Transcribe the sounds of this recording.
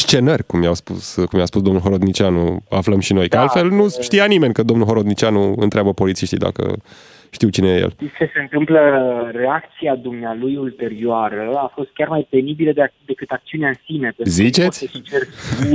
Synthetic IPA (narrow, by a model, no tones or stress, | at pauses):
st͡ʃe̞nərʲkumjawspuskumjaspusd̪o̞mnulɦoɾod̪nit͡ʃianṵafləmʃino̞jkəalt̪fe̞lnuʃt̪ijanime̞nʲkəd̪omnulɦoɾod̪nit͡ʃianuɨ̰nt̪ɾeabəpo̞lit̪sijʃt̪id̪a̰kə̰ | ʃt̪iwt͡ʃinejejḛlist͡ʃese̞ɨnt̪ɨmpləre̞ak̚t̪siad̪umnealujult̪e̞ɾioaɾəafo̞st̪̚kʲarmajpe̞nibiləd̪d̪e̞kɨt̪ak̚t̪siunaɨnsinepezit͡ʃet̪sʲesit͡ʃeru